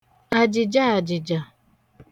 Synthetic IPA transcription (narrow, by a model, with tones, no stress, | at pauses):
a˨d͡ʒɪ˨d͡ʒa˦a˨d͡ʒɪ˨d͡ʒa˨